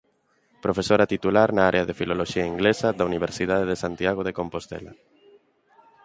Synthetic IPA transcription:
pɾofesoɾat̪it̪ulaɾnaaɾʔeaðefiloloʃiaiŋɡlesad̪auniβ̞eɾsið̞að̞eðesant̪jaɣ̞oðekompost̪ḛla̰

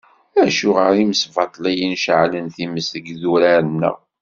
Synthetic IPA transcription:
æʃʊʁəɾiməsvɑt̪ˤlæjənʃəʕlənθiməsəɡðuɾæɾənːə̰ʁ

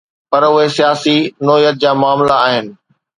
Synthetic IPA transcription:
pɐɾʊɦesijaːsinɔːjət̪̚d͡ʑaːmaːmlaːɦɪnɪ̆

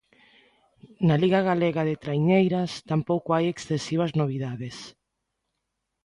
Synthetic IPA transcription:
naliɣaɣaleɣaðet̪ɾajɲejɾast̪ampowkoajeksθesiβ̞aznoβ̞iðaðes

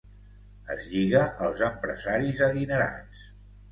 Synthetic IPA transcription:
ə̰zʎiɣəʔəlˠzəmpɾə̰zaɾizəðinəɾa̰t͡s

